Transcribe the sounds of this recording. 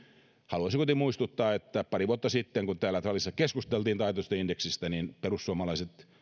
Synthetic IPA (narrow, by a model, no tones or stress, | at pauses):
hɑluɑsiŋkot̪imuist̪ut̪ːɑːet̪ːæpɑriʋuot̪ːɑsit̪ːeŋkunt̪æːlːæt̪ɑlisːɑkeskust̪elt̪iːnt̪ɑit̪ost̪ɑindeksist̪æninperusːuomɑlɑiset̪